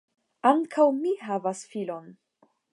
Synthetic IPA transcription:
aŋkʰawmiɦavasfilo̞n

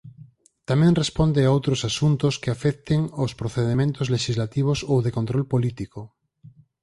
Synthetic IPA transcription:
t̪amɛ̃ŋrespond̪eaowt̪ɾosasunt̪oskeafɛkt̪eŋospɾoθeðemẽnt̪ozleʃizlat̪iβ̞osowðekont̪ɾolpolit̪iko

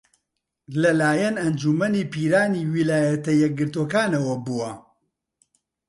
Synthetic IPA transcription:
lɐlaːjɐnɐnd͡ʒumɐniːpiːɾaːniːwilaːjɐt̪ɐjɛk̚ɡɨɾt̪oːkaːnɐwɐbuɐ

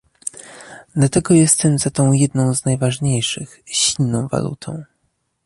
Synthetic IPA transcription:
d̪̥lat̪ɛɡɔjɛst̪ɛmzat̪ɔ̃w̃jɛd̪̚nɔ̃w̃znajvaʐɲejʂɘxɕilnːɔ̃w̃va̰lṵt̪ʰɔ̰̃w̃

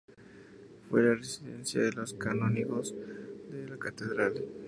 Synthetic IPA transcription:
fwelaresiðḛnsja̰ðelo̞skanoniɣozðelakat̪eðɾal

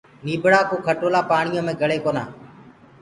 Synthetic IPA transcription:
niːbɽaːkoːkʰəʈoːlaːpaːɳɪjõːmẽːɡʱəɽeːkoːna̰ː

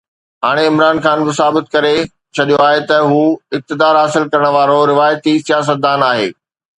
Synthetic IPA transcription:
ɦaːɽ̃eɪmɾaːnxaːnbɪsaːbɪt̪kɐɾe | t͡ɕʰɐɗijoaːɦet̪ɐɦuːɪk̚t̪ɪd̪aːɾɦaːsɪlkɐɾəɽ̃ə̆ʋaːɾoɾɪʋaːjt̪isijaːs̬ət̪̚d̪aːnaːɦḛː

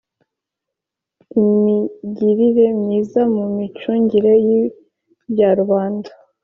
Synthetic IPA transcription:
imiɟiɾiɾe̞mɲiːzamumit͡ʃuːɲɟiɾe̞ji | bjaɾuβaːnda

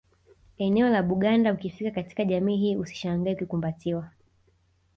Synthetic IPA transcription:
ɛnɛɔlaɓuɠandaukifikakati̥kaʄamiːɦiːusi̥ʃaŋɡaɛukikumbatiwa

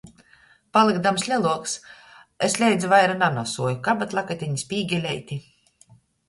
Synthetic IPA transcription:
palˠɨɡd̪amslʲɛlˠuɔks | esʲlʲɛjd̪zuvajɾananɔsuɔjukabat̪lˠakat̪ʲiɲisʲpʲiːɡʲɛlʲɛjt̪ʲi

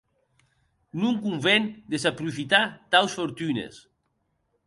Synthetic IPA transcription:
nuŋkuɱvend̪esapɾufit̪at̪awsfoɾt̪ynḛs

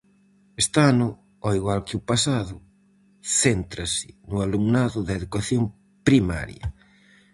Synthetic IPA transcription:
est̪anʊ | ɔiɣwalkɪupasaðʊ | θent̪ɾasɪ̥nʊalumnaðʊðɐeðukaθjom | pɾima̰ɾjɐ̰

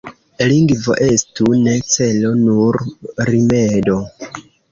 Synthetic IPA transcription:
liŋɡvo̞̰ʔe̞stune̞t͡se̞lo̞nuɾɾimedo̞

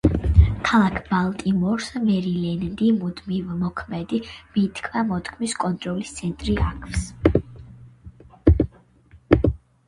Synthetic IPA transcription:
kʰalˠakʰbalˠt̪ʼimɔɾsmɛɾilɛnd̪imud̪mivmɔkʰmɛd̪imit̪ʰkʰvamɔt̪ʰkʰmiskʼɔnt̪ʼɾɔlist̪sʰɛnt̪ʼɾiʔakʰfs

